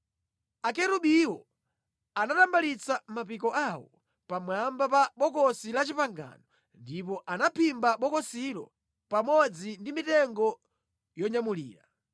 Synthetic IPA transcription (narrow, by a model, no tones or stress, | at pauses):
akɛɾuɓiwɔ | anatambalit͡samapikɔʔawɔ | pamwambapaɓɔkɔsilat͡ʃipaŋɡa̰nɔ | ndipɔʔanapʰimbaɓɔkɔsilɔ̰ | pamɔd͡zindimitɛŋɡɔ | jɔɲamulḭːɾa